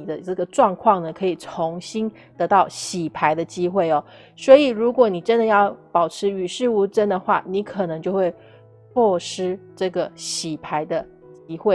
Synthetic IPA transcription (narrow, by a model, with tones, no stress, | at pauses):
d̪ə˦ʈ͡ʂɤ˥˩ɡə˩ʈ͡ʂwɑ˥˧ŋkʰwɑ˥˩ŋnə˩kʰɤ˧˥i˨˩t͡sʰo˧˦˥ŋɕi˥n | t̪ɤ˧˥t̪ɑ˥˩ʊɕi˨˩pʰa˧˥ɪd̪ə˧t͡ɕi˥xwe˥˩ɪɔ˨˩ | swɔ˧˥i˨˩ɻu˧˥kwɔ˨˩˦ni˨˩ʈ͡ʂə˦˥nd̪ə˨jɑ˥˩ʊpɑ˨˩ʊʈ͡ʂʰɻ̩˧˥y˨˩ʂɻ̩˥˩u˧˥ʈ͡ʂə˥nd̪ə˨xwa̰˥˩ni˧˥kʰɤ˨˩nɤ˧˦ŋt͡ɕjo˥˧ʊxwe˥˧ɪ | pʰwɔ˥˩ʂɻ̩˥ʈ͡ʂɤ˥˩ɡə˩ɕi˨˩pʰa˧˥ɪd̪ə˧ | t͡ɕi˥xwe˥˩